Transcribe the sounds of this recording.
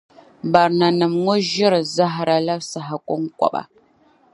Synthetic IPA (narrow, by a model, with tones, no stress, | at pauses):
ba˨ɾna˨nɨ˨mŋo˦ʒi˦ɾza˦ɦa˨ɾa˦la˦bsa˨ɦa˨kʷo˦ŋ˦kʷa̰˨ɓa̰˨